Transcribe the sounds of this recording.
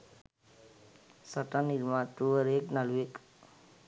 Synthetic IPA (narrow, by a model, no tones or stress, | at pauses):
səʈaniɾmãt̪uəɾeknalwek